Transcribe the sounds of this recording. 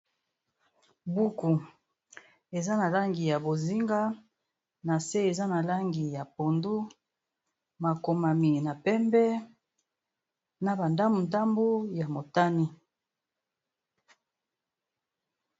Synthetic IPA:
bu˦ku˨ | e˨za˦na˨la˦ŋɡi˨ja˨bo˨zi˦ŋɡa˦ | na˨se˦e˨za˦na˨la˦ŋɡi˨ja˨po˨ndu˦ | ma˨ko˨ma˨mi˨na˨pɛ˦mbɛ˦ | na˦ba˨nda˦mu˨nta˦mbo˦ja˨mo˨ta˦ni˦

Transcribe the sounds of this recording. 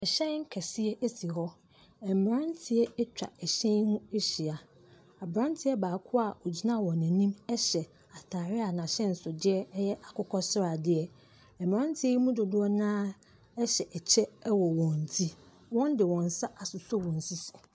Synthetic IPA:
ɛ˨ɕɛ̃˦ŋ̩˦kʰɛ˨sɪ˦ɛ˦ʔe˦si˨ɦɔ˦ | ɛ˨m˨m˨ɾã˦ntʰɪ˦ɛ˦ɛ˦t͡ɕᶣa̰˨ɛ˨ɕɛ̃˦nũ˦e˦ɕi˨a˨ | a˨bɾã˦n˦tʰɪ˦ɛ˦baː˨kʰʊ˦a˦˨ʔɔ˨d͡ʑi˦nã˦˨wɔ̃˨næ̃˨nĩ˦mɛ˦ɕɛ˨ | a˨tʰaː˨ɾɪ˦a˨nã˨ɕɛ̃˦n̩˨sʊ˨dɪ˦ɛ˦jɛ˦ʔa˨kʰʊ˦kʰɔ˦sʊ˦ɾa˨dɪ˦ɛ˨ | ɛ˨m˨ɾã˦n˦tʰɪ˦ɛ˦i˦mũ˦do˨dʊ˦ɔ˦nãː˦ | ɛ˦ɕɛ˨ʔɛ˨t͡ɕʰɛ˦wɔ˨wɔ̃˨n̩˨tʰi˦ | wɔ̃˦ndɪ˨wɔ̃˨n˨sa˦ʔa˨sʊ˨so˦wɔ̃˨n̩˨si˦sʊ˨

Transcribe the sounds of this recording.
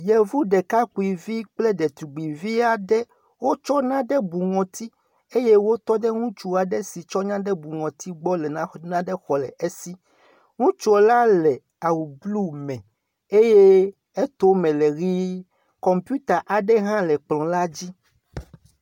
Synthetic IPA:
jɛ˨vu˦ɖɛ˨ka˦ku˨i˨vi˦k͡ple˦ɖɛ˨t̪ɾu˨ɡ͡bi˨vi˦a˨ɖɛ˦ | wo˦t͡ʃɔ˦nã˦ɖɛ˦bu˨ŋɔ̃˨t̪i˦ | e˦je˦wo˦t̪ɔ˦ɖɛ˦ŋũ˦t͡ʃu˦a˨ɖɛ˦si˨t͡ʃɔ˦ɲã˦ɖɛ˦bu˨ŋɔ̃˨t̪i˦ɡ͡bɔ˦lɛ˨nã˦nã˦ɖɛ˦xɔ˨lɛ˨ʔe˦si˦ | ŋũ˦t͡ʃu˦o˨la˦lɛ˨ | a˨wu˨blu˦mɛ̃˨ | e˦je˦ | e˦t̪o˦mɛ̃˨le˨ɣi˦ | kɔ˨mpju˦t̪a˨ʔa˨ɖɛ˦ɦã˦lɛ˨k͡plɔ̃˨la˦d͡ʑi˦

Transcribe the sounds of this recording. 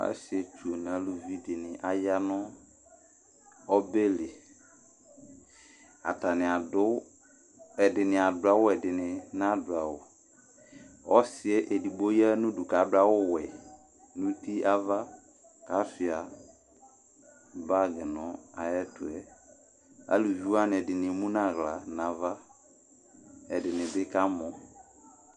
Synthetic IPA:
a̰˦si˨ɛ˨t͡ʃu˨o˨n˨a˨˦lu˨vi˦dɪ˨nɪ˨ʔa˨ja˦nʊ˦ | ɔ˦be˦lɪ˨ | a̰˨ta˨nɪ̃˨a˨dʊ˦ | ɛ˨dɪ˨nɪ̃˨a˨dʊ˨˦a˦wʊ˦ɛ˨dɪ˨nɪ˨nã˦dʊ˨a˨wʊ˨ | ɔ˦sɪ˨ɛ˦ʔe˨di˨ɡ͡bo˦jɛ˦nʊ̃˦du˨ka˨˦ba˦wʊ˦wɛ˨ | nũ˦ti˦ʔa˦va˦ | ka˦fɪ˨a˨ | ba˦˨ɡɪ˨nɔ˨a˨jɛ˦tʊ˨ɛ˨ | a̰˨lu˨vu˦a˦nɪ˨ɛ˨dɪ˨nɪ˨e˨mũ˦nã˦˨ɣla˨nã˨va˦ | ɛ˨dɪ˨nɪ̃˨dɪ˦ka˦mɔ˨

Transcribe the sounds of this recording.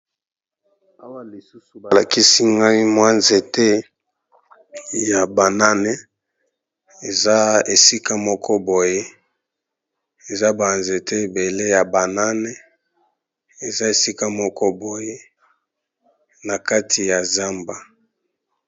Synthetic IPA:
a˦wa˦li˨su˦su˨a˨la˨ki˦si˦ŋɡa˦i˦mwa˦nze˨tɛ˦ | ja˨ba˨na˦ne˦ | e˨za˦e˨si˦ka˦mɔ˦kʰɔ˦bo˨je˦ | e˨za˦ba˨nze˨tʰɛ˦e˨be˨le˦ja˨ba˨na˦nɛ˦ | e˨za˦e˨si˦ka˦mɔ˦kɔ˦bo˨je˦ | na˨ka˦tʰi˨ja˨za˦mba˨

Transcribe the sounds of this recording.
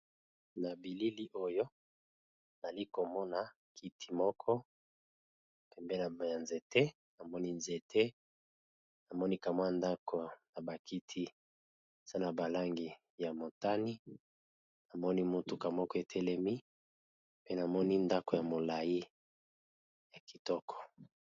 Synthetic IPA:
na˨bi˨li˦li˦ʔo˦jo˦ | n˨za˨li˦ko˨mɔ˦na˨ | kʰi˦tʰi˨mɔ˦kʰɔ˦ | pɛ˨mbɛ˦na˨ja˨nze˨te˦ | na˨mɔ˦ni˦nze˨tʰe˦ | na˨mɔ˦ni˦ka˨mwa˦nda˦kʰo˨na˨ba˨kʰi˦tʰi˦ | z̥a˦na˨ba˨la˦ŋɡi˨ | ja˨mo˨ta˦ni˦ | na˨mɔ˦ni˦mu˦˨tu˨ka˨mɔ˦kɔ˦e˨tʰɛ˦lɛ˦mi˦ | pe˦na˨mɔ˦ni˦nda˦ko˨ja˨mo˨la˨ji˦ | ja˨ki̥˨tɔ˦kʰɔ̥˨

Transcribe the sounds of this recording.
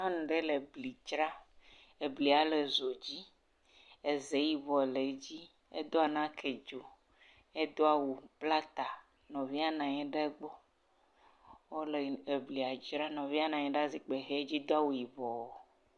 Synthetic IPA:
a˦nũ˨ɖe˦le˨bli˨d͡ʒɾa˦ | e˨bli˨a˨le˨zo˨d͡ʑi˦ | e˨ze˨˦ji˨vɔ˨le˨˦d͡ʑi˦ | ḛ˦d̪o˦a˨nã˦kʰe˨d͡ʒo˨ | e˦d̪o˦a˦wu˨bla˦t̪a˨ | nɔ̃˨vi˦a˦nã˨ɲɛ̃˦ɖe˦ɡ͡bɔ˦ | wo˦le˨e˨bli˨a˨d͡ʒɾa˦nɔ̃˨vi˦a˦nã˨ɲɛ̃˦ɖa˦zi˦k͡pe˨ɣe˦e˦d͡ʑi˦d̪o˦a˦wu˨ji˨vɔ˨wo˦

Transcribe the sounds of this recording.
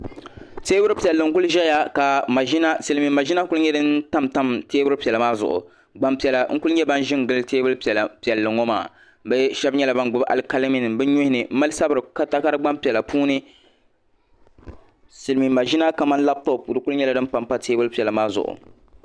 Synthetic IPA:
teː˦bʊ˦ɾpi˨ɛ˨lːɨ˨ŋ̩˦kʊ˦lʒɛ˦ja˦ka˨ma˨ʒi˦na˦sɨ˨lmi˨ma˨ʒi˦na˦kʊ˦lɲɛ˦dɨ˦nta˦mta˦mteː˦bʊ˦ɾɨ˦pi˨ɛ˨lmaː˦zʊ̰˨ʔʊ̰˨ | ɡ͡ba˦mpi˨ɛ˨la˨ŋ̩˦kʊ˦lɲɛ˦ba˦n˦ʒɪ˦ŋɡɨ˦lteː˦bʊ˦lpɛ˨lpi˨ɛ˨lːɨ˨ŋɔ˦ma̰ː˨ | bɛ˦ʃɛ˦bɲɛ˦la˨ba˦nɡʊ˦ba̰˨lka˦le˦mi˨nɨ˨mbɛ˦ɲʊ˦hɪ˦nɨ˨m̩˦ma˦lsa˦bɨ˨ɾɨ˨ka˦ta˦ka˦ɾɨ˦ɡ͡ba˦mpi˨ɛ˨la˨pʰuː˦nɨ˦ | sɨ˨lmi˨ma˨ʒi˦na˦ka˨ma˦n˦la˦b̚tɔ˦˨pu˨ɾɨ˦kʊ˦lʊ˦ɲɛ˦la˨dɨ˦m˦pa˨mpa˦teː˦bʊ˦lpi˨ɛ˨la˨maː˦zʊ̰˨ʔʊ̰˨

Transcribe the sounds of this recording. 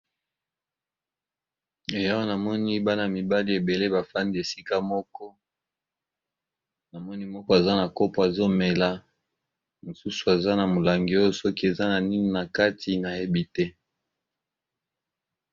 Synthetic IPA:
e˨ja˦wo˦na˨mɔ˦ni˦ba˦na˨mi˨ba˦li˦e˨be˨le˦ba˨fa˦ndi˦e˨si˦ka˦mɔ˦kɔ˦ | na˨mɔ˦ni˦mɔ˦kɔ˦e˨za˦na˨ko˦po˨a˨zo˦me˨la˦ | mo˨su˦su˨e˨za˦na˨mo˨la˨ŋɡi˨o˦jo˦sɔ˦ki˦e˨za˦na˨ni˦ni˨na˨ka˦tʰi˨na˨e˦bi˨tɛ˦

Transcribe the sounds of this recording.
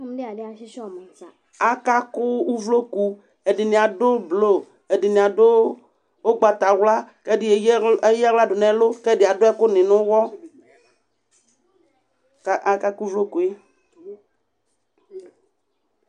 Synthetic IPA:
m̃˦ɖe˦a˨ɖe˨a˨ʃi˦ʃɔ˦˨m˨ | a˨ka˦ku˦wu˦vlo˦ku˦ | e˨ɖi˨nĩ˨a˨ɖo˦blo˦˨ | e˨ɖi˨nĩ˨a˨ɖo˦ | wo˦ɡ͡ba˨t̪a˨wla˦ke˦di˦e˨je˦ja˦wla˦ɖo˨nɛ̃˨˦lo˦ke˦di˨a˨do˦ɛ˦ko˦nɪ̃˨nʊ̃˦wɔ˦ | ʔa˦ka˦ku˦u˦vlo˦ku˨e˦

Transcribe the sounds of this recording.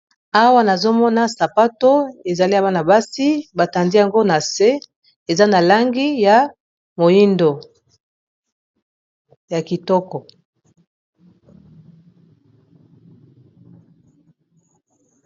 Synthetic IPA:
a˦wa˦na˨zo˦mɔ˦na˦sa˨pa˦to˦e˨za˨li˦a˨βa˦na˨ba˦si˦ba˨ta˨ndi˦ja˨ŋɡo˦na˨se˦ | e˨za˦na˨la˦ŋɡi˦ja˨ | mo˨ji˦ndo˨ | ja˨ki˨tɔ˦kɔ˨

